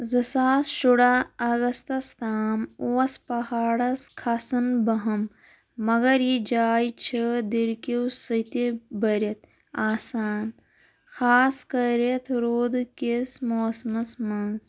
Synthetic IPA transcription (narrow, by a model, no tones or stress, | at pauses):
zɐsaːsʃuɽaɐɣɐst̪ɐst̪ʰaːmoːɐspɐhaːɽɐskʰasɐnbɐɦɐmː | ɐɡɐɾjid͡ʒaːjt͡ʃʰɐd̪iɾkiwsɐt̪ebɐɾɐt̪ | aːsaːn | xaːskɐɾet̪ʰɾoːd̪kesmoːsmɐsmɐnz